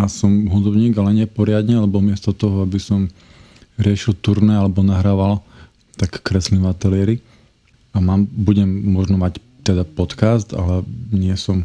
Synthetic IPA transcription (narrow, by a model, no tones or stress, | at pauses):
asɔmɦud̪ɔbɲiːɡalɛɲɪɛpɔɾɪad̪ɲɛalɛbɔmɪɛst̪ɔt̪ɔɦɔabisɔm | ɾɪɛʃilt̪uɾnɛalɛbɔnaɦɾaːʋal | t̪akːɾɛslinʋat̪ɛlɪɛɾi | amaːmbuɟɛmːʊɔʒnɔmac | t̪ɛd̪apɔt̪kast̪a̰lɛɲɪɛsɔm